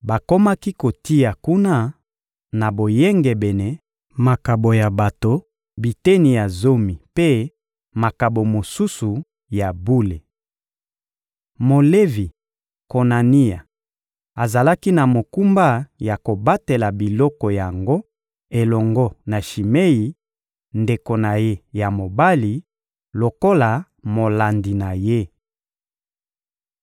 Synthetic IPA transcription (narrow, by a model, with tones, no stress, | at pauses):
ba˨ko˦ma˦ki˦ko˨ti˦ja˨ku˦na˦ | na˨bo˨jɛ˦ŋɡe˨bɛ˨nɛ˨ | ma˨ka˨bo˨ja˨ba˨to˨ | bi˨te˦ni˨ja˨zo˦mi˨pe˦ | ma˨ka˨bo˨mo˨su˦su˨ | ja˨bu˦le˨ | mo˨le˦vi˨ | ko˨na˨ni˦ja˨ | a˨za˨la˦ki˦na˨mo˨ku˦mba˦ja˨ko˨ba˦te˨la˨bi˨lɔ˦kɔ˨ja˨ŋɡo˦ | e˨lɔ˨ŋɡɔ˦na˨ʃi˨me˦i˨ | nde˨ko˨na˨je˦ja˨mo˨ba˦li˨ | lo˨ko˦la˨ | mo˨la˨ndi˨na˨je˦